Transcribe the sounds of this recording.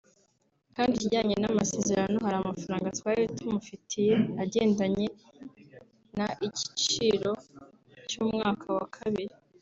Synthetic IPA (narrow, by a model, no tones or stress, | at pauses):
kaːndiiɟaːɲe̞namase̞ːze̞ɾano̞ɦaɾamafaɾaːŋɡatwaːɾitumufitʰije̞aɟe̞ːndaɲe̞ | naʔici̥t͡ʃiɾo̞ | cuːmŋaːkʰawakʰaβiɾi